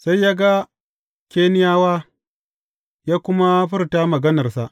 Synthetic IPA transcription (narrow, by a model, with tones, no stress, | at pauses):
sa˦jːaː˦ɡa˦ | kʲeː˦nɪ˦jaː˦waː˦ | jaː˦kʷʊ˦ma˦ɸɪ˦rtaː˦mɐ˨ɡɐ˦nɐ˨rsa˦ʔ